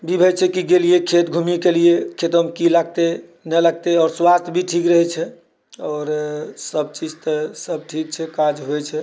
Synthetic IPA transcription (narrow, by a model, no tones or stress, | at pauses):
bʱibʱɛt͡ʃʰɛkiɡelijekʰet̪ɡʱumikelijekʰet̪əmkilaɡ̚t̪e | nɛlaɡ̚t̪eɔːɾswast̪ʰbʱiʈʰikɾəɦɛt͡ʃʰɛ | ɔːɾsəb̚t͡ʃid͡ʒt̪əsəb̚ʈʰik̚t͡ʃʰɛkad͡ʒɦojt͡ʃʰɛ